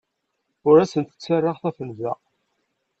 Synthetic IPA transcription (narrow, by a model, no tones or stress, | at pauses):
ʊɾæsənt̪ə̥t͡sːarˤːɑʁθæfənzæ